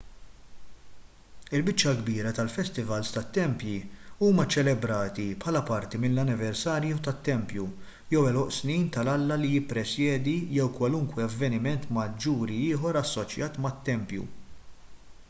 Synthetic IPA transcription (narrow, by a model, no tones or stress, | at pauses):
ɪlbɪt͡ʃːɐɡbiːɾɐt̪ɐlfɛst̪ɪvɐlst̪ɐt̪ːɛmpjiuːmɐt͡ʃɛlɛbɾɐːt̪ipħɐlɐpɐɾt̪imɪnlɐnɪvɛɾsɐːɾjut̪ɐt̪ːɛmpju | jɛwɛlɔʔsniːnt̪ɐlɐlːɐlijɪpːɾɛsjɛːd̪ijɛwkwɐlʊŋkwɛɐvːɛnɪmɛnt̪mɐd͡ʒːuːɾiɪːħɔɾɐsːɔt͡ʃjɐːt̪mɐt̪ːɛmpjṵ